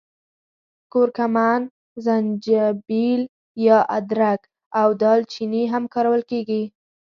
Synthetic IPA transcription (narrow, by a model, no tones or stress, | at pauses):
koɾkaman | zand͡ʒabil | jɑʔad̪ɾak | awd̪ɑlt͡ʃiniɦamkɑɾawəlkeɡi